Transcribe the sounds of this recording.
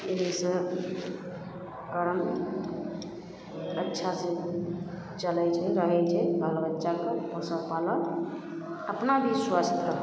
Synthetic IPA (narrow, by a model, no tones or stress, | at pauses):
eɦisə̃ | kəɾəm | ətːʃʰase | t͡ʃəlɛt͡ʃʰɛɾəɦɛt͡ʃʰɛbalbətːʃakəposəɾpalə | əpnabʱiswast̪əɾ